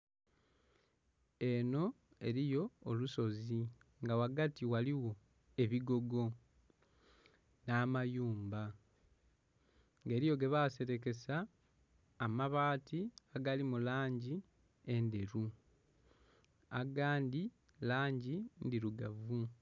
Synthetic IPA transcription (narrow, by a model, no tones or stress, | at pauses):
e̞no̞ | e̞ɾijo̞ːluso̞ziŋɡawaɡatiwaliwo̞ | e̞βiɡo̞ɡo̞ | naːmajuːmba | ŋɡe̞ːɾijo̞ɡe̞βase̞ɾe̞ke̞saː | maβaːtʰiaɡalimulaːɲɟi | e̞nde̞ɾu | aɡaːndi | laːɲɟindiɾuɡavu